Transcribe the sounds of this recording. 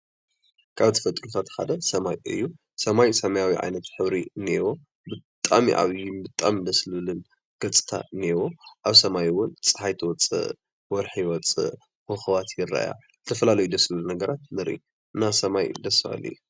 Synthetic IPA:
kʰaβt̪ʰɨ̥fɐt̪ʼɾut̪ʰat̪ʰxa̰d̪ɐsɐmajɨ̰jːu | sɐmajsɐmɐjawiʕa̰jnɐt̪ħɨβɾiɨnewo̞ | bɨt̪ʼamiʔa̰βjɪmbɨt̪ʼamid̪ɐslɨlɨn | ɡ̥ɐt͡sʼɨ̥t̪ʰa̰ɨniewoʔaβsɐmajwʊnt͡sʼɨ̥ħajt̪ʰɨwɔt͡sʼɨ̰ʔ | wɔɾħjɪwɔt͡sʼɨ̰ | hɨxɨβat̪jɪrːa̰ja̰ | zɨt̪ʰɐfɐlalɐjud̪ɐslɨlunɐɡɐɾat̪nɨɾḭ | ɨnːasɐmajd̪ɐsfa̰lːḭj

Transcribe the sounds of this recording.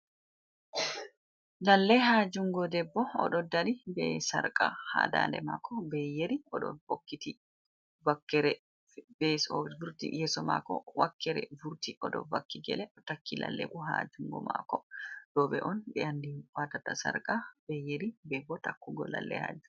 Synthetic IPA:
lɐlːɛɦaːd͡ʒʊŋɡɔd̪ɛbːɔɔ̰ɗɔd̪ɐnibɛːsɐ̰ɾkʼaha̰ːd̪a̰ːlɛ̰makʰːɔbeːjɛɾiɔɗɔ̰bɔkːit̪i | bɐkːɛɾɛ | beːsɔvʊɾt̪ḭjɛsɔma̰ːkɔ̰wɐkʰːɛɾɛ̰vʊɾt̪iʔɔd̪ɔ̰vɐkːiɡɛ̰lɛt̪ɐkːilɐ̰lːɛ̰ʔuɦa̰ːd͡ʒʊŋɡɔ̰ma̰ːkɔd̪̥oːbɛʔɔnbɛɐnd̪iwaːt̪ɐt̪ːɐsɐ̰ɾkʼab̥ejɛɾibɛbːɔt̪ɐkːʊɡɔ̰lɐ̰lːɛ̰ha̰ːd͡ʒʊ

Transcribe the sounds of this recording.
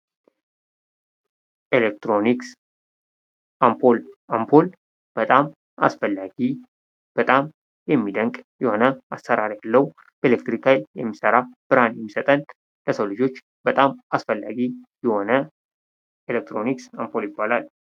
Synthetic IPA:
ʔelek̚t̪ɾo̞niks | ʔampʰolampʰo̞l | b̥ət̪ʼam | a̰sfəlːaɡi | b̥ət̪ʼam | jɛmːid̪əŋkʼjɛho̞nəasːəɾaɾjalːəwu | b̥əelek̚t̪ɾikajljɛ̰mːisəɾab̥ɨɾhanjɛmːisət̪ʼən | ləsəwlɨd͡ʒo̞t͡ʃː | b̥ət̪ʼamasfəlːa̰ɡijɛho̞nə | elek̚t̪ɾo̞niksampʰo̞ljɪbːalal

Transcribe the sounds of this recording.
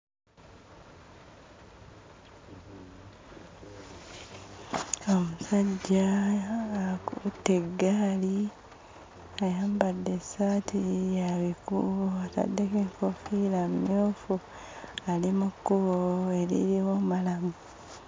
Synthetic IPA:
o̞musaɟːaː | kuteɡali | ajaːmbadːesatʰijaβikṵβoata̰dːekeŋkofilammjoːfu | alimukːuβoelḭɾimumalamu

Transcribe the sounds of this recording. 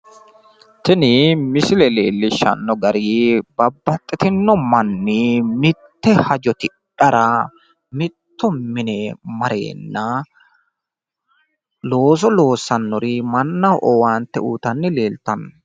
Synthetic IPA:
t̪ɪnɪmɪsɪlɛle̞ːlːɪʃɐ̰nːɔɡɐɾibɐbːɐt̪ʼːɪt̪ɪnːɔmɐnːɪmɪt̪ːɛhɐd͡ʒɔt̪ɪ | ᶑɐɾɐ | mɪt̪ːɔmɪnɛmɐɾe̞̰ːnːɐ | lo̞ːs̬ɔlo̞ːsːɐnːɔɾɪmɐnːɐʔɔwaːnt̪ːɛuːt̪ɐnːɪleːlt̪ɐnːɔ

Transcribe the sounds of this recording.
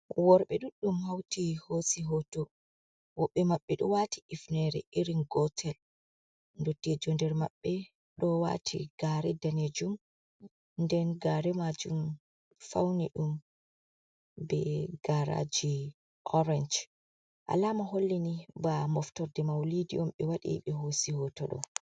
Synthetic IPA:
wɔɾɓɛɗuɗːumhawtihosiɦotɔ | wɔɓːɛmaɓːɛɗɔwaːtiifnɛɾɛ̰ʔiɾinɡɔtʰɛl | ndotːiɛd͡ʒɔndɛɾma̰ɓːɛ | ɗɔwa̰tʰḭɡ̥aːɾɛdaned͡ʒum | ndɛnɡaːɾɛmad͡ʒum | fawniɗum | bɛɡ̥aɾa̰d͡ʒi | ʔɔɾɛnd͡ʒ | ʔa̰lamaɦolːinibamɔftɔɾdɛmawlidiɔmɓɛwaɗḭɓɛɦosihɔtɔɗɔ̰

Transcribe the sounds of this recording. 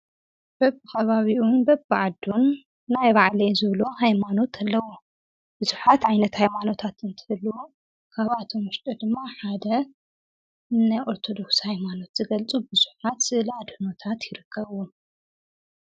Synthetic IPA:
b̥ɐbːɨxɐβaβiʔunbɐbɨʕad̪ːunː | ajβaʕlɐjzɨβlo̞hajmano̞t̪ʰalːɐwu | b̥ɨzuħat̪ʕajnɐt̪hajmano̞t̪ʰat̪ɨnt̪ʰɨ̥hɨl | kʰaβat̪ʰo̞mɨʃt̪ʼɐd̪ɨmːaħad̪ɐ | najʔo̞ɾt̪ʰo̞d̪o̞kshajmano̞t̪z̥ɨɡɐlt͡sʼubɨz̥uħat̪lad̪hɨno̞t̪ʰat̪jɪɾɨkʰːɐβu

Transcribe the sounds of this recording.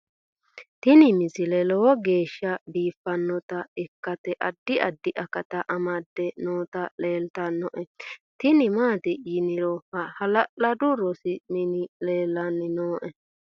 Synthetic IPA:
t̪ɪnɪmɪsɪlɛlɔwɔɡe̞ːʃːɐbiːfːɐnːɔt̪ɐɪkːɐt̪ɛʔɐd̪ːɪɐd̪ːɪʔɐkɐt̪ɐʔɐmɐd̪ːɛnoːt̪ɐle̞ːlt̪ɐnːɔʔɛt̪ɪnɪmaːt̪ɪjɪnɪɾɔhɐhɐlɐlɐd̪ʊɾɔsɪmɪnɪle̞ːlːɐnːɪnoːʔɛ

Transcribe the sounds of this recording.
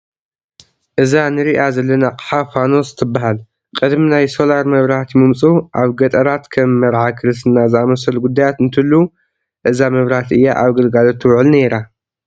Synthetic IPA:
ʔɨzanɨɾiʔazɐlːɐnaqʼħafano̞sɨ̥t̪ʰɨbːaɦal | kʼɨd̪minajso̞laɾmɐβɾahat̪mɨmt͡sʼuʔaβɡɐt̪ʼɐɾat̪kʰɐmːɐɾʕakʰɨɾɨsɨnːazɨamɐsɐlɡud̪ːajat̪ɨnt̪ʰɨlːu | ʔɨzamɐβɾhat̪ɨjːaʔaβɡɐlɡalot̪ʰːwʊʕɨlne̞ɾa

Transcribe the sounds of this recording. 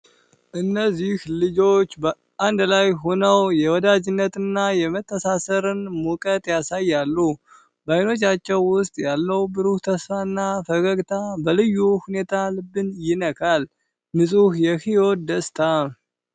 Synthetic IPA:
ʔɨnːəzːihlɨd͡ʒo̞t͡ʃːbə | ʔand̪lajɦo̞nəwjɛwɔd̪ad͡ʒɪnːət̪ɨnːajɛmət̪ʰːəsasəɾɨnmukʼət̪ʼjasajːalːu | bajno̞t͡ʃːat͡ʃːɛwːʊst̪ʼjalːəwbɨɾuht̪ʰəsfaɨnːafəɡəɡt̪ʰabəlɨjːuhune̞t̪ʰalɨbːɨnjɪnəkʰal | mɨsʼuhjɛhio̞d̪əst̪ʰa

